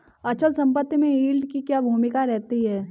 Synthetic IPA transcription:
ɐt͡ʃəlsɐ̃mpət̪ːjəmẽiːlɖkikjabʱuːmɪkaɾɛɦt̪iɦɛː

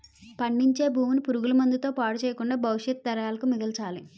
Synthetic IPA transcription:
pɐɳɖiɲt͡ʃe̞ːbʱuːmunipuɾuɡulɐmund̪it̪o̞ːpaːɽut͡ʃɛːjɐkuɳɖaːbʱɐwuʂjɐt̪̚d̪ɐɾɐjaːlɐkumid̪ɐlt͡ʃaːli

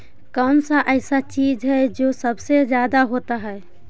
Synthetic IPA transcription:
kaʊnsaʔəɪsat͡ʃid͡ʒɦɛd͡ʒosəbsed͡ʒjaːd̪aɦoːt̪aɦɛe

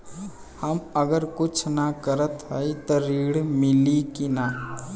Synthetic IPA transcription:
hɐməɡəɾkʊt͡ʃʰnakəɾət̪ɦəit̪oɾiːɽmɪlikina

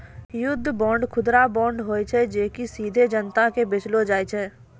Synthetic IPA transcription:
jʊd̪ʱːbɔ̃ːɳɖkʰʊd̪ɾabɔ̃ːɳɖɦoːit͡ʃʰɛd͡ʒeːkisiːd̪ʱed͡ʒənt̪akebɪt͡ʃlod͡ʒaːit͡ʃʰɛː

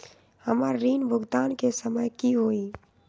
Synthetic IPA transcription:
həməɾːiːnbʱʊɡt̪aːnkesəməjkiɦoːiː

